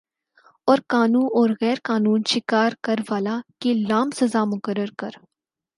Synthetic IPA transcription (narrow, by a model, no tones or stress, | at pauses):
ɔːɾkaːnuːnɔːɾɣɛːɾkaːnuːnʃɪkaːɾkəɾʋaːlakilaːmsɐzaːmʊkəɾəɾkəɾ